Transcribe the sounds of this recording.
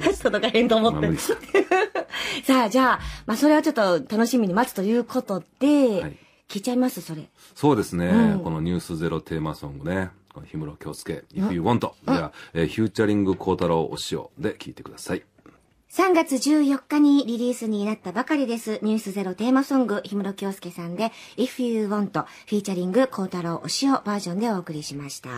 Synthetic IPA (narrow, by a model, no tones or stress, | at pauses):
sod̪okahẽ̞nt̪oːmot̪ːei | saːd͡ʑaːmaso̞ɾe̞βat͡ɕo̞t̪ːo̞t̪ano̞ɕimʲiɲ̟imat͡sɨ̥t̪o̞jɯ̟ːkʰo̞t̪o̞d̪̥e̞ai | kʲiːt͡ɕaimasɨso̞ɾe̞̰ | so̞ːd̪e̞sɨneko̞no̞ɲ̟ʲɨːsɨze̞ɾo̞t̪ʰe̞ːmasõ̞ŋɡɯne̞ | konoçʲimɯ̟ɾo̞kʲo̞̰ːt͡sɨ̥ke̞̰iɸɯɯːβõnt̪o̞eaeçʲɨːt͡ɕaɾʲĩŋɡɯ̟kʰo̞ːt̪aɾoːʔo̰ɕio̰d̪e̞kʲʰiːt̪e̞̥kɯ̟d̪asai | sãŋɡat͡sɨʑɨːjo̞kːaɲ̟iɾʲiɾʲiːsɨɲ̟inat̪ːabakaɾʲid̪e̞sɨɲ̟ɨːsɨze̞ɾo̞t̪e̞ːmasõ̞ŋɡɯ̟çimɯ̟ɾo̞kʲo̞ːsɨ̥ke̞sãnd̪e̞iɸɯjɯːβõ̞nt̪o̞ | ɸʲiːt͡ɕaɾʲĩŋɡɯ̟kʰo̞ːt̪aɾo̞ːʔoɕio̞baːʑõ̞nd̪e̞o̞ːkɯ̟ɾʲiɕimaɕi̥t̪a̰